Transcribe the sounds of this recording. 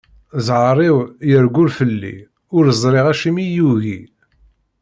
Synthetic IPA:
zʕəɾˤiwjəɾɡʊɾfəlːḭ | ʊɾəzˤɾiʁæʃimijuɣi

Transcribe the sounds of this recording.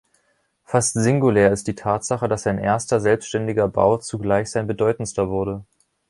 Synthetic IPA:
fastz̥ɪŋɡuleːɐɪst̚d̥iːtʰaːtz̥aχədasaɪnʔeːɐstɐzɛlpstʃtɛndɪɡɐba̰ʊt͡suɡlaɪçz̥aɪnbədɔʏtn̩stɐvʊɐɾə

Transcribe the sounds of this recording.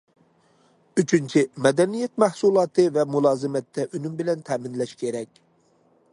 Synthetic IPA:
yt͡ʃʰynt͡ʃʰimɛd̪ɛnijɛt̪̚mæhsulˠɑːt̪ʰɨvɛmulˠɑːzɨmɛt̪ʰːɛʔynymbɪlɛnt̪ʰɛːmɪnlɛʃkʲʰeɾɛkʲ

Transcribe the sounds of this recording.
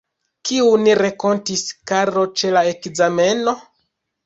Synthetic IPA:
kiuniɾeko̞ntiskaɾo̞t͡ʃe̞laekzame̞no̞

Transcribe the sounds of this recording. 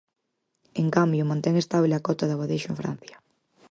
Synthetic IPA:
eŋkambjʊmãnt̪ɛŋest̪aβleakɔt̪ɐðɐɣwaðejʃʊẽɱfɾa̰n̟θjɐ̥

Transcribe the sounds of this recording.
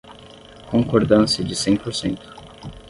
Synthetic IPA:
kõŋkoɾd̪ɐ̃sɪd͡ʒɪsẽnposẽnt̪ʊ̥

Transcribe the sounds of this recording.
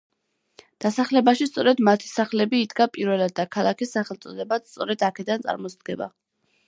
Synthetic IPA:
d̪̥asaχlɛbaʃist̪sʼɔɾɛd̪mat̪ʰi̥saχlɛbiːd̪ɡapʼiɾvɛlad̪̚ːakʰalˠakʰisːaχɛlˠt̪sʼɔd̪ɛbat̪st̪sʼɔɾɛd̪akʰɛd̪ant̪sʼa̰ɾmɔsd̪̚ɡɛba̰

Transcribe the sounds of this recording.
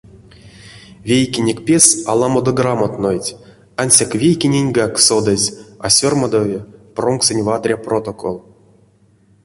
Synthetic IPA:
vʲejkʲenʲekʲpʲesalˠamod̪oɡramot̪nojtʲ | anʲsʲakvʲejkʲenʲenʲɡaksod̪azʲa̰sʲormad̪ovʲepromksʲenʲvat̪rʲaprot̪okʰo̰lˠ

